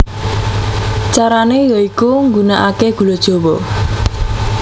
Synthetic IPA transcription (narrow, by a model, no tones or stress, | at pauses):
t͡ʃaɾanejɔikuŋɡunaʔakeɡ̥ṳlod̥ʒ̥owɔ